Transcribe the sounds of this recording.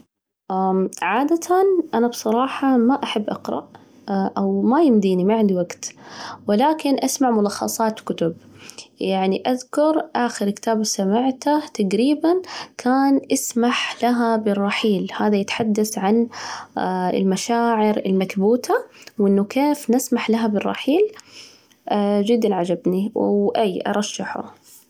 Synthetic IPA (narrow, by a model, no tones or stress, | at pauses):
ʔaʕaːd̪at̪ʰanʔanabsˤɑɾˤɑːħɑmaʔaħabːʔɑ̰qɾˤɑ̰ʔ | ʔawmajɪmd̪iːnimaʕɪnd̪iwaɡt̪wɪlaːkɪnʔasmaʕmʊlɑxːɑ̰sˤɑːt̪kʊt̪ʊbjaʕniʔaðkʊɾˤʔaːxɪɾkɪ̥t̪aːbsamaʕt̪at̪aɡɾiːbankʰaːnʔasmaħlaɦabɪrˤːɑħiːlhaːðajɪt̪ħad̪ːasʕan | ɪ̰lmaʃaːʕɪɾɪ̰lmatbuːt̪ʰawɪnːʊkeːfnɪsmaħlaɦabɪrˤːɑ̰ħiːl | d͡ʒɪd̪ːanʕad͡ʒabniwʔajːʔɑ̰ɾˤɑʃːaħʊ̰